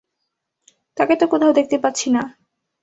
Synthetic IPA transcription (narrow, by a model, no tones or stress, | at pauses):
t̪aket̪okot̪ʰaod̪ek̚ʰt̪epatːɕʰina